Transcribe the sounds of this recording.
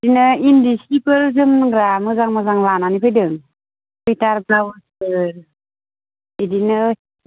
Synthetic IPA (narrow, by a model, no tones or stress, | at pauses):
dinɯindisipɯɾzɯmnɯŋɾamɯzaŋmazaŋlananipʰɯjdɯŋ | pɯjtaɾbawɯspɯɾ | idinɯ